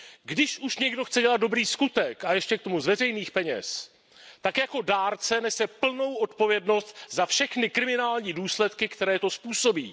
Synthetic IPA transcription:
ɡdɪʃʔuʃɲɛɡdo̞xt͡sɛɟɛlat̪do̞bɾiːskut̪ɛkajɛʃcɛk̚t̪o̞muzvɛrɛjniːxpɛɲɛ̰s | t̪akjako̞daːɾt͡sɛnɛsɛpl̩no̞wʔo̞t̪po̞vjɛdno̞st̪zafʃɛxnɪkɾɪmɪnaːlɲiːduːslɛt̪kɪkt̪ɛɾɛːt̪o̞spuːso̞bḭː

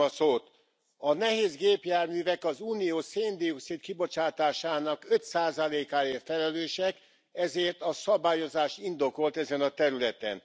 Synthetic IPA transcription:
ɒsoːt̪ | ɒnɛɦeːzɡeːpjaːrmyːvɛkɒzuːnijoːseːnd̪ioksit̪kibo̞t͡ʃaːt̪aːʃaːnɒkø̞t̪saːzɒleːkaːeːfɛlɛløːʃɛk | ɛzeːrt̪ɒsɒbaːjo̞zaːʃt̪ind̪o̞ko̞lt̪ɛzɛnɒt̪ɛɾylɛt̪ɛ̰n

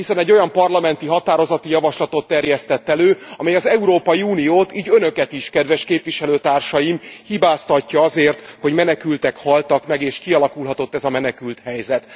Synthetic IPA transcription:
hisɛnɛɟːo̞jɒmpɒrlɒmɛnt̪iɦɒt̪aːɾo̞zɒt̪ijɒvɒʃlɒt̪o̞t̪ːɛrjɛst̪ɛt̪ːɛløːɒmɛjɒzɛuɾoːpɒjiuːnijoːt̪iːɟønø̞kɛt̪iʃkɛd̪ʋɛʃkeːpʋiʃɛløːt̪aːrʃɒjimhibaːst̪ɒcːɒɒzeːrt̪ho̞ɟmɛnɛkylt̪ɛkhɒlt̪ɒkmɛɡeːʃkiɒlɒkulɦɒt̪o̞t̪ːɛzɒmɛnɛkylt̪hɛjzɛt̪

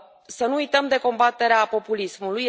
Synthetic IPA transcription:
sənuujt̪əmd̪e̞ko̞mbat̪e̞ɾeapo̞pulismuluj

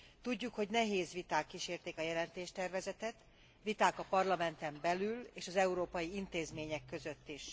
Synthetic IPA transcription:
t̪uɟːukho̞ɟnɛɦeːzʋit̪aːkːiʃeːrt̪eːkɒjɛlɛnt̪eːʃt̪ɛrvɛzɛt̪ɛt̪ | ʋit̪aːkɒpɒrlɒmɛnt̪ɛmbɛlyleːʃɒzɛuɾoːpɒjiint̪eːzmeːɲɛkːø̞zø̞t̪ːiʃ

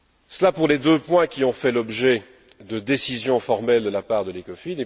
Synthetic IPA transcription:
səlapuʁled̪øpwɛ̃kʲiɔ̃fɛlɔbʒɛ | d̪əd̪esizjɔ̃fɔʁmɛld̪əlapaʁd̪əlekɔfine

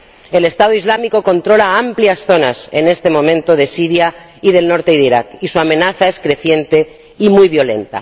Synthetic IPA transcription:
e̞le̞st̪aðoizlamiko̞ko̞nt̪ɾo̞laampliasθo̞nase̞̰ne̞st̪e̞mõ̞mẽnt̪o̞ðe̞siɾja | iðe̞lno̞ɾt̪eiðiɾakisuamẽ̞naθae̞skɾe̞θje̞nt̪e̞ | imujβjo̞le̞̰nt̪a̰

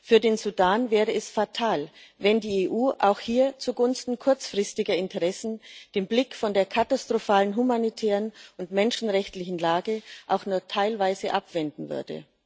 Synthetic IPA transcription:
fyːɐdeːnzudaːnvɛːʁəɛsfatʰaːlvɛndiːeːʔuːʔa̰ʊxhiːɐt͡suɡʊnstn̩kʰʊɐt͡sfʁ̥ɪstɪɡɐɪntəʁɛsn̩d̥eːmblɪkfɔndeːɐkʰatastʁ̥ofaːlənɦumanitʰɛːʁənʊntmɛnʃn̩ʁɛçtlɪçn̩laːɡəʔaʊxnuːɐtʰaɪlvaɪzəʔapv̥ɛndn̩vʏ̰ɐdə̰

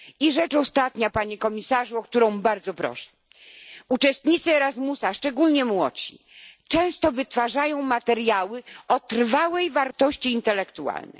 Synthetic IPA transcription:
iʐɛt͡ʂɔst̪at̪ɲapaɲɛkɔmʲisaʐuɔk̚t̪uɾɔ̃w̃baɾd̪zɔpɾɔ̰ʂɛ̥ | ut͡ʂɛst̪ɲit̪sɨɛɾazmusaʂt͡ʂɛɡulɲɛmwɔ̰t͡ɕḭ | t͡ʂɛ̃w̃st̪ɔvɘt̪faʐajɔ̃w̃mat̪ɛɾjawɘɔt̪ɾvawɛjvaɾt̪ɔɕt͡ɕiːnt̪ɛlɛkt̪ua̰lnɛ̰j

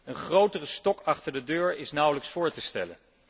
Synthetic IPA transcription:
ənχrowtərəstɔkɑχtəɹdədøːɹɪsnʌwləksfʊːɹtəstɛ̰lə̰n

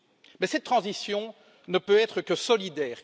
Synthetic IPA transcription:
mɛsɛt̪ːχɑ̃zisjɔ̃ | nəpøɛt̪χəkəsɔlid̪ɛːʁ

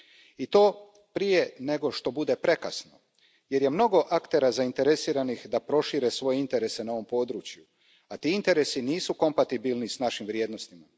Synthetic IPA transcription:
it̪o̞ː | pɾije̞ne̞ɡo̞ʃt̪o̞bud̪e̞pɾe̞kasno̞ | je̞ɾje̞mno̞ɡo̞ʔakt̪e̞ɾazaint̪e̞ɾe̞siːɾanixd̪apɾo̞ʃiːɾesʋo̞jeint̪e̞ɾe̞se̞nao̞ʋo̞mpo̞ːd̪ɾuːt͡ʃju | at̪iːint̪e̞ɾe̞siniːsuko̞mpat̪ibilnisnaʃimʋɾje̞ːd̪no̞st̪ima

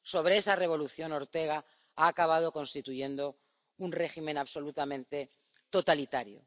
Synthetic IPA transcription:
so̞β̞ɾeesare̞β̞o̞luθjono̞ɾt̪e̞ɣ̞a | aːkaβ̞að̞o̞ko̞nst̪it̪uʝe̞nd̪o̞ | unre̞ximẽnaβso̞lut̪amẽ̞nt̪e̞ | t̪o̞t̪alit̪aɾjo̰

